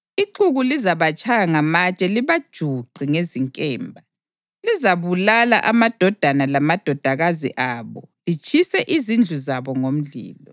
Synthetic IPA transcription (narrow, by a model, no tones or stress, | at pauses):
iǃuɣulizaβat͡ʃʼʰajaŋamat͡ʃʼɛliβad̥ʒ̥ʱuǃʱiŋeziŋkʼɛːmbʱa | lizaβulala̰ʔamad̥ʱɔd̥ʱanalamad̥ʱɔd̥ʱaɣazḭʔaːβɔlit͡ʃʼʰisɛʔizind͡ɮʱuzaβɔŋom̩ɮḭːlɔ